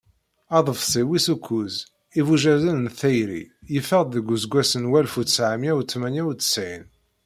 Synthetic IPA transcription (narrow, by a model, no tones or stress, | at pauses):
ɑðˤəfsˤiwisukʷʰːuz | ivuʒæzænnθæjɾḭjəfəʁd̪ðəɡʷuzɡʷæsənwælfut̪sʕamjæwt͡sːmænæwt͡sːsʕin